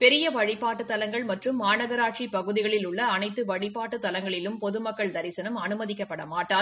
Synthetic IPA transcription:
pɛɾɪjɐʋɐɻɪpaːʈːɯt̪ːɐlɐŋɡɐɭmɐʈrɯmːaːnɐɣɐɾaːʈt͡ʃipɐɣɯðɪɣɐɭɪlʊɭːɐːnɐɪt̪ːɯʋɐɻɪpːaːʈːɯt̪ːɐlɐŋɡɐɭɪlɯmpɔðɯmɐkːɐɭd̪ɐɾɪsɐnɐmɐnɯmɐðɪkːɐpːɐɽɐmaːʈːaːl

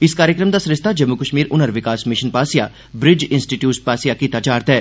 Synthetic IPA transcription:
ɪskaːɾjəkɾəmd̪aːsɾɪst̪ʰad͡ʒəmːukəʃmiːɾʊnəɾʋɪkaːsmɪʃənpaːsija̰ː | bɾɪd͡ʒɪnsʈiʈjuːspaːsɪjakiːt̪at͡ʃaːɾt̪ɦɛː

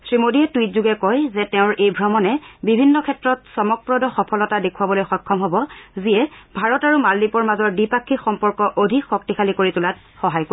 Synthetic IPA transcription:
sɹimodiɛtwitzuɡɛkɔjzɛtɛʊ̃ɹʔejbʱɹɔmɔnɛbibʱinːɔkʰɛtɹɔtsɔmɔk̚pɹɔdɔxɔpʰɔlɔtadekʰuwabɔlojxɔjkʰːɔmɦɔbɔziɛbʱaɹɔtaɹumalːipɔɹmazɔɹdipakʰːixɔmpɔɹkɔʔodʱikxɔk̚tixʰalikoɹitulat | xɔɦajko

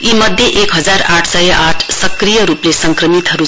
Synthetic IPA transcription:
imʌd̪ʱjeʔekɦʌd͡zaraʈʰsʌjʌʔaʈʰsʌkrijʌɾuplesʌŋkrʌmit̪ɦʌɾu

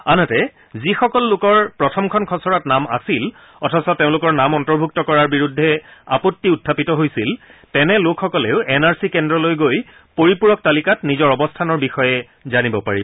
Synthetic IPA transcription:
anɔtɛ | zixɔkɔlːʊkɔɹpɹɔtʰɔmkʰɔnkʰɔsɔɹatnama̰sil | ɔtʰɔsɔteʊ̃lʊkɔɹnamɔntɔɹbʱuk̚tɔkɔɹaɹbiɹudʱːɛa̰pɔtːiutʰːapitɔɦojsiltɛnɛlokʰxɔkɔlɛʊʔɛnaɹsikɛndɹɔlojɡoj | poɹipuɹɔk̚talikatnizɔɹɔbɔstʰanɔɹbixɔjɛ | zanibɔpaɹibɔ

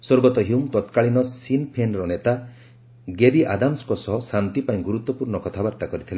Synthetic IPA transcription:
swoɾɡɔt̪ɔɦiumt̪ɔt̪kaɭinɔsinpʰenɾɔnet̪a | ɡeɾiʔad̪amskɔsɔɦɔsant̪ipaĩɡuɾut̪ːɔpuɾnɔkɔt̪ʰabaɾt̪akɔɾit̪ʰile

